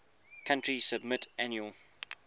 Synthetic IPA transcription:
kʰãntɹisəbmɪtʔæ̃njuəlˠ

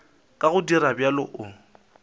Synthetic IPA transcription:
kʼaɣʊdiɾabjalʊʔʊ

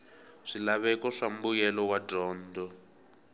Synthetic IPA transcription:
ʂilaβɛkɔʂam̩bujɛlɔwadɔːndɔ

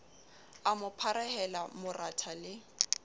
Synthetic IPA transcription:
amʊpʰaɾɛhɛlamʊratʰalɪ

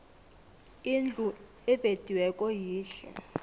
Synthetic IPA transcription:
ind͡ɮʱu | ɛved̥ʱiwɛkʼɔjiːɬɛ̰

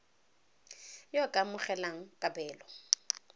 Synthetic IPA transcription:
jɔkʼamʊχɛlaŋ̩kʼabɛːlɔ

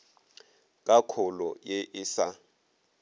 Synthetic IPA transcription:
k̬ʼakʰɔlɔjeʔɪːsa

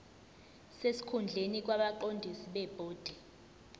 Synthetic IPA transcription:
sesi̥kʰund͡ɮʱenik̬waɓaǃondʱisiɓɛb̥ʱoːd̥ʱɛ

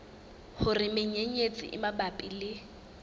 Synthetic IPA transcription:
hʊrɪmɪɲeɲet͡sʼɪ̰ʔɪmabapʼilɪ

